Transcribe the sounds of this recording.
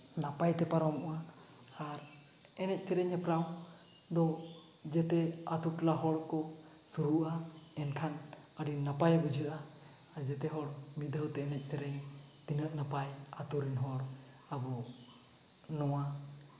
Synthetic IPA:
napajt̪ɛpaɾɔmɔʔa | aɾ | ɛnɛc̚ˀt̪ɛɾɛɲɛpɾaw | d̪ɔ | d͡ʒɛt̪ɛat̪uʈlaɦɔɽkɔ | suɾuʔa | ɛnkʰan | əɽinapajbud͡ʒʱəʔaː | ɾd͡ʒɛt̪ɛɦɔɽmid̪ʱəwt̪ɛːnɛc̚ˀt̪ʰɛɾɛɲ | t̪inəʔnapajat̪uɾɛnɦɔɽ | abɔ | nɔwa

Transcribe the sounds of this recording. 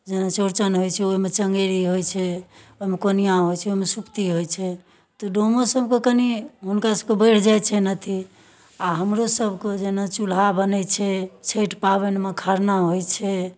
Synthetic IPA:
d͡ʒenat͡ʃoɾt͡ʃənɦojt͡ʃʰɛoɦmet͡ʃəŋɡeɾiɦojt͡ʃʰɛoɦmekonijãɦojt͡ʃʰɛoimesupt̪iɦojt͡ʃʰɛ | t̪ɔɖomosəbʱkekəniɦunkasəbkebəɪɽ̤d͡ʒajt͡ʃʰɛnət̪ʰi | aɦəmɾosəbʱked͡ʒenat͡ʃulabənɛt͡ʃʰɛt͡ʃʰeʈpaβenmekʰaɾnaɦojt͡ʃʰɛ

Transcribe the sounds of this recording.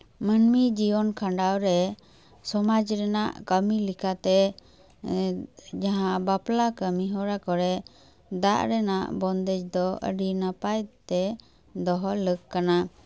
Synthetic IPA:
mənmid͡ʒiɔnkʰaɳɖawɾɛ | sɔmad͡ʒɾɛnaʔkəmilikat̪ɛ | d͡ʒaɦãbaplakəmiɦɔɾakɔɾɛ | d̪aʔɾɛnaʔbɔnd̪ɛd͡ʒd̪ɔə̰ɖinapajt̪ɛ | d̪ɔɦɔləkkːana

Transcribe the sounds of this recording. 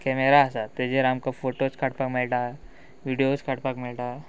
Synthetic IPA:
kɛmeɾaːsat̪ed͡ʒeɾamkafoʈot͡ʃkʰaʈpakmɪlʈa | ʋiɖijot͡ʃkʰaʈpakmɪlʈa

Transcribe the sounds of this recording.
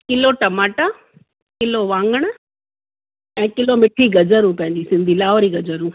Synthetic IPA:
kɪloʈɐmaːʈa | kɪloʋãːŋɡəɽ̃ə | ɛ̃ːkɪlomɪʈʰiɡɐd͡ʒəɾũːpɐ̃ɦɪ̃ɲd͡ʑisɪ̃nd̪ʱilaːʋɾiɡɐd͡ʑəɾũː

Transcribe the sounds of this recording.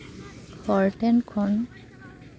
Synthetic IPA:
xʰɔɹtɛnkʰɔn

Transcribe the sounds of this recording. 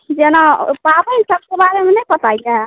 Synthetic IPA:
d͡ʒenapabəsəb̚kebaɾemenəjpət̪ajd͡ʒaɦɛ

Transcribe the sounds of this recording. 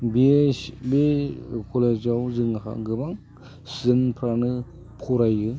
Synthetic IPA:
bebekʰɔlezawzɯŋaxa̰ɡɯbaŋ | sɯnpʰɾanɯ | pʰɔɾajɯ

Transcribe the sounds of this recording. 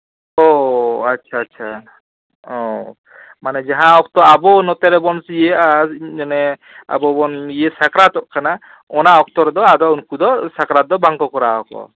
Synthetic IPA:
ɔatːʃʰaːtːt͡ʃʰa | ɔ | manɛd͡ʒaɦãɔk̚t̪ɔabɔnɔt̪ɛɾɛbɔnsijeaanɛ | a̰bɔbɔnijesakɾat̪ɔʔkʰana | ɔnaʔɔk̚t̪ɔɾɛd̪ɔad̪ɔunkud̪ɔsakɾad̪ɔbaŋkɔkɔɾaɔkɔ̰

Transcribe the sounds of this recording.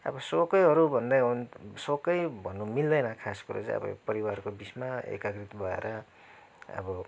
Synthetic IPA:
ʌ̰bʌsokʌjɦʌɾubʱʌnd̪ʌjunsokʌjbʱʌnːumild̪ʌjnʌkʰaskuɾo̰t͡sʌ̰bʌ̰pʌɾiwarkobit͡smaḛkaɡrit̪bʱʌḛɾʔʌ | ʌ̰bʌ

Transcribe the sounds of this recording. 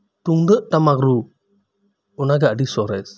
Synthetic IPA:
t̪uŋdəʔt̪amaɡɾu | unaɡaʔdisɔɾɛs

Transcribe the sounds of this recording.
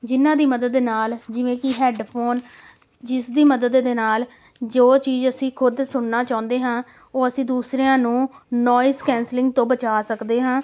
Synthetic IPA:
d͡ʒɪnːãːd̪iːməd̪əd̪ːeːnaːld͡ʒɪʋẽːkɪɦɛːɖpʰoːn | d͡ʒɪsd̪iːməd̪əd̪ːeːnaːl | d͡ʒoːt͡ʃiːzəsĩːkʰʊd̪sʊɳnaːt͡ʃaːʊ̃nd̪eːɦãː | oːəsĩːd̪uːsɾeːãːnũːnɔːjɪskɛ̃ːnslɪ̃ŋɡ̚t̪õːbət͡ʃaːsəkd̪eːɦãː

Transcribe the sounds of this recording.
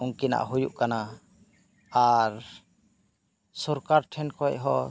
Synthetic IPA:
uŋkina̰ʔɦujuʔkana | aɾ | sɔɾkaɾʈʰɛnkɔɛ̰ɦɔ̰

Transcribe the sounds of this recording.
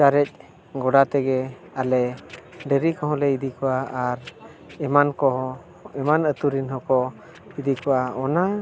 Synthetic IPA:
t͡ʃaɾɛc̚ˀ | ɡɔɖat̪ɛɡɛ | alɛɖəɾikɔɦɔ̃lɛid̪ikɔaaɾ | ɛmankɔ | ɛmanət̪uɾinɦɔkɔ | id̪ikɔʔaɔna

